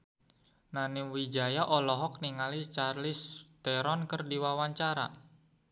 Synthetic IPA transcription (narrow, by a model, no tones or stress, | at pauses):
naniŋwid͡ʒajaʔɔlɔɦɔk̚niŋalit͡ʃarlɪst̪ɛɾɔnkərdiwawaɲt͡ʃaɾa̰